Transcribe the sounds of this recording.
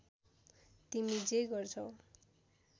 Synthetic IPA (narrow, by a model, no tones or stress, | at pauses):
t̪imid͡zeɡʌrt͡sʰʌw